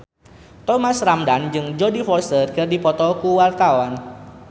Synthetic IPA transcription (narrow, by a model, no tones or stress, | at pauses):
t̪ɔmasramdand͡ʒɨŋd͡ʒodifɔsərkɨrdipɔt̪ɔkuwart̪awan